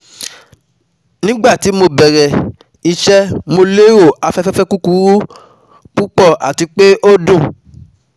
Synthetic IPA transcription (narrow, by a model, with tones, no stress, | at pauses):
nĩ˦ɡ͡ba˦˨ti˨˦mo˧bɛ˨ɾɛ˨ | i˧ʃɛ˦mo˧le˦ɾo˦˨a˧fɛ˦fɛ˦fɛ˦ku˦ku˦ɾu˦ | k͡pu˦k͡pɔ˦˨ʔa̰˨ti˧k͡pe˦ʔo˦dũ˦˨